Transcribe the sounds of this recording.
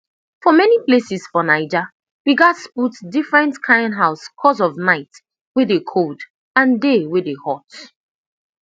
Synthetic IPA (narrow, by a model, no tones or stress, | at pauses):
fɔmɛniplesisfɔnaɪd͡ʒa | wiɡatsputdifɹɛ̃ntkʰãɪ̃ndɦaʊskʰɔs̬ɔvnaɪt | wɪðekʰod | ãndeweðehɔt